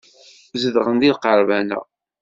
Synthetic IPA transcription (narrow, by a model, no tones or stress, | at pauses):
zəðʁənd̪ilqəɾˤvænə̰